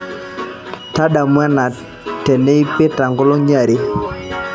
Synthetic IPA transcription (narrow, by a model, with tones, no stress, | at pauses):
ta˦da˨mwɛ˦na˨ | tːɛ˨nɛ˦i˦pe˦ta˨ŋɡɔ˦lɔ˦ɲa˨ɾe˦